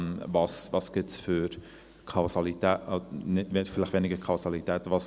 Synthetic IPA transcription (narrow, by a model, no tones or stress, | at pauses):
nvɑːsvɑːsɡ̥ɪsfʏɾ | kʰaʊsɑlit̪ɛːnɪdvetfɪlɪχʋenɪɡəɾkʰaʊsɑlitɛːtvɑs